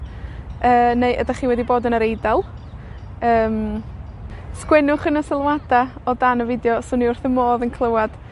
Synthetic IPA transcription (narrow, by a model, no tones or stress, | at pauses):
əːnejʔə̰daχiːwɛdiboːdənəɾejdɛlˠ | əːm | skwɛnʊχənəsɪlˠwadaɔdanəvɪdjɔsʊniʊrθəmoːðənkʰlˠəwad̥